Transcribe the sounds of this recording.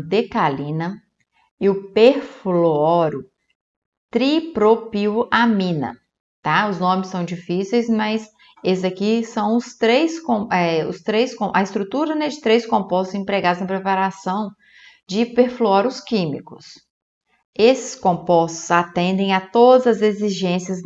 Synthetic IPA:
d̪ekalĩnɐ | ɪʊpeɾfloɔɾʊ | t̪ɾipɾopiʊʔamĩnɐ̰ | t̪aʊznõmɪsːɐ̃w̃d͡ʒifisejsmɐjs | esɪzɐkisɐ̃w̃ʊst̪ɾejskõɛʊ̰st̪ɾejskõʔɐɪst̪ɾut̪uɾɐnɛd͡ʒɪt̪ɾejskõpɔst̪ʊzĩpɾeɡad̪ʊznɐpɾepaɾasɐ̃w̃ | d͡ʒɪpeɾfluɔɾʊskĩmikʊ̥s | esɪ̥skõpɔst̪ʊ̥zat̪ẽnd̪ẽj̃ɐt̪od̪ɐzɐzeziʒẽsijɐz

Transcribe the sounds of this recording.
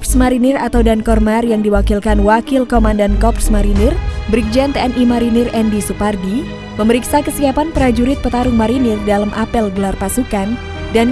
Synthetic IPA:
psmaɾinɪrat̪awdankɔrmarjaŋdiwakilkanwakilkomandankɔpsmaɾinɪrbɾik̚d͡ʒant̪eɛnʔimaɾinɪrɛndisupardi | məməɾiksakəsiapanpəɾad͡ʒuɾɪt̪̚pət̪aɾʊŋmaɾinɪrdalamʔapɛlɡəlarpasukan | dan

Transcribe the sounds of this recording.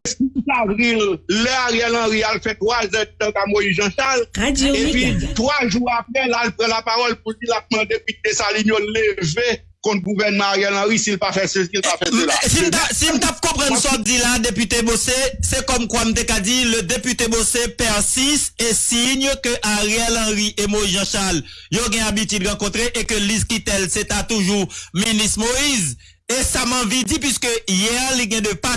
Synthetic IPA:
ɛskikit̪aʁilːɛaʁɛlɑ̃ɣialfɛt̪wazɛ̃dd̪ãkamojiʒɑ̃ʃalaoepɥit̪ʁwaʒuʁapʁɛlalpʁɑ̃lapaʁɔlpuldilap̚mãd̪epyt̪esalinjoleve | kɔ̃t̪̚ɡuvɛʁnmãaʁɛlɑ̃ɣisilpafɛsøsilpafɛelsim̩t̪asim̩t̪ap̚kɔ̃pʁɐ̃nsɔtilad̪epyt̪ebosesɛkɔmkwam̩t̪ekad͡zilød̪epyt̪ebosepɛʁsist̪esiɲəkøʔaʁjɛlɐ̃ʁiʔemoizʒãʃaljoɡɛ̃abit̪yd̪ʁãkɔ̃t̪ʁeʔekøliskit̪ɛlset̪at̪uʒuminist̪moiz | esamɐ̃vid͡zip̬wɥiskøjɛliɡɛ̃d̪əpa

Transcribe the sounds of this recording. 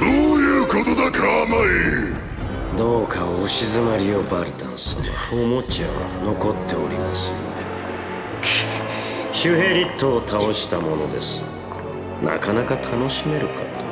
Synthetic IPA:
d̪̥oːjɯːkot̪od̪akeanai | d̪o̞ːkaoːɕizɨmaɾʲio̞baɾɯ̟t̪ãɰ̃sõ̰a̰omo̞t͡ɕiaa̰no̞ko̞t̪ːe̞oɾʲimasɨone | ɕɨɦe̞ɾʲit̪ːo̞ːt̪ʰao̞ɕi̥t̪amo̞no̞d̪e̞̰sɨ̥ | na̰kanakat̪ʰano̞ɕime̞ɾɯ̟kat̪o

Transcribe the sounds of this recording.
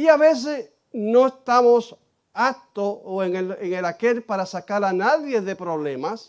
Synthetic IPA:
iaβe̞s̬es | no̞est̪amos | ak̚t̪ooeŋeleŋelakelpaɾasakaɾanaðje̞ðe̞pɾo̞βlemas

